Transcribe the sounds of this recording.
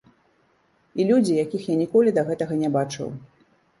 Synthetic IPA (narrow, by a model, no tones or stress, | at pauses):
ilʲud͡zʲijakʲixjanʲikɔlʲid̪ɐɣɛt̪ɐɣɐnʲɛbat͡ʂɨ̰w